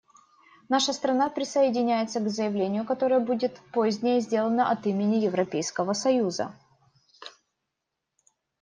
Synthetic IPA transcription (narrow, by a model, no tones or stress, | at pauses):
naʂəst̪ɾɐnapɾʲɪsəɪdʲɪnʲæjɪt̪səɡzəjɪvlʲenʲɪjʊkɐt̪o̞ɾəjəbudʲɪt̪pozʲnʲɪjəzʲdʲe̞lˠənəʔɐt̪imʲɪnʲɪjɪvɾɐpʲejskəvəsɐjuzə̰